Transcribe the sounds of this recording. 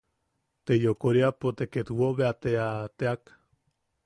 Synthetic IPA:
t̪ejokoɾiapot̪eket̪woβeat̪eat̪eak

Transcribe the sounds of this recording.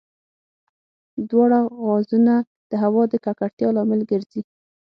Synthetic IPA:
d̪wɑɽaɣɑzuna | d̪̥əɦawɑd̪əkakaɽt̪jɑlɑmɪlɡəɾzi

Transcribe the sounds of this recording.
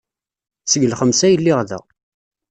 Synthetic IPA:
səʝəlχəmsæjəlːɪʁðə̰ʁ

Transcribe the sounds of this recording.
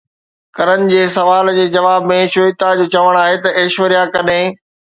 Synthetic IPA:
kɐɾənɪ̆d͡ʑeːsɐʋaːld͡ʑeːd͡ʑɐʋaːbmẽʃʊjt̪ad͡ʑoːt͡ɕɐʋəɽ̃aːɦet̪ɐʔeːʃʋəɾijakɐɗɦɪ̃

